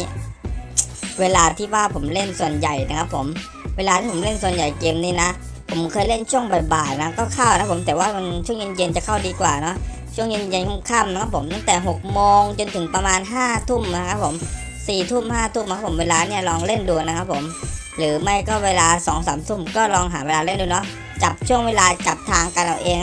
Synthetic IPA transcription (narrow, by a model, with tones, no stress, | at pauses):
weː˧laː˧t̪ʰiː˥˩waː˥˩pʰo˩˦mle˥˩nsu˨˩ənja˨˩jna˦˥kʰa˦˥pʰːo˩˦m | weː˧laː˧t̪ʰiː˥˩˦mle˥˩nsu˨˩ənja˨˩jke˧mniː˦˧˩na˦˥ | pʰo˩˦mkʰɤː˧jle˥˩nt͡ɕʰu˥˩əŋba˨˩jbaː˨˩t̪̚na˦˥kɔː˥˩kʰa˥˩wna˧˥pʰːo˩˦mt̪ɛː˨˩waː˥˩ma˧nt͡ɕʰu˥˩əŋje˧nje˧nt͡ɕa˨˩kʰa˥˩wdiː˧kwaː˨˩nɔ˦˥ʔ | t͡ɕʰu˥˩əŋje˧nje˧nkʰa˥˩mkʰaː˥˩mna˦˥kʰa˦˥pʰːo˩˦mt̪a˥˩ŋt̪ɛː˨˩ɦo˨˩k̚moː˧ŋt͡ɕo˧nt̪ʰɯ˨˩˦ŋpɾa˧maː˧nɦaː˥˩t̪ʰu˥˩mna˦˥kʰa˦˥pʰːo˩˦m | siː˨˩t̪ʰu˥˩mhaː˥˩t̪ʰu˥˩mːa˧˦˥pʰːo˩˦mweː˧laː˧ni˥˩ɐlɔː˧ŋle˥˩nduː˧na˦˥kʰa˦˥pʰːo˩˦m | ɾɯː˩˦ma˦˥˩jkɔː˥˩weː˧laː˧sɔː˩˦ŋsaː˩˦mt̪ʰu˥˩mkɔː˥˩lɔː˧ŋɦaː˩˦weː˧laː˧le˥˩nduː˧nɔ˦˥ | t͡ɕa˨˩p̚t͡ɕʰu˥˩əŋweː˧laː˧t͡ɕa˨˩p̚t̪ʰaː˧ŋka˧nʔa˧˩wʔeː˧ŋ